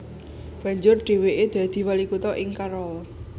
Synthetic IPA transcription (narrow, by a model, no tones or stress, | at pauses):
w̥aɲd͡ʒʊrɖ̥e̤weʔed̪̥ä̤d̪̥i̤walikut̪ɔʔɪŋkaɾɔl